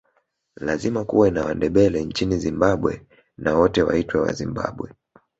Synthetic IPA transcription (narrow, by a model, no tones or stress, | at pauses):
lazimakṵwɛnawandɛɓɛlɛnt͡ʃinizimbaɓwɛ̰ | nawɔtɛwa̰itwɛwa̰zimba̰ɓwɛ